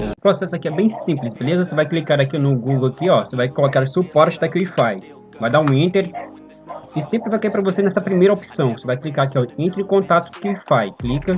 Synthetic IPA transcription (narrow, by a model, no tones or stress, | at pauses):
pɾosɛsʊakiɛbẽj̃sĩmplɪsbelezɐvosevajklikaɾakinʊɡuɡowakiɔvosevajkolokaɾsupɔɾt͡ʃɪd̪ɐkiuifaj | vajd̪aũĩnt̪eɾ | ɪsẽmpɾɪvajkaijpɾɐvosenɛsɐpɾimejɾɐopsɐ̃w̃vosevajklikaɾakiɛẽnt̪ɾkõt̪at̪ʊ̥ʊ̥kɪuifajklikɐ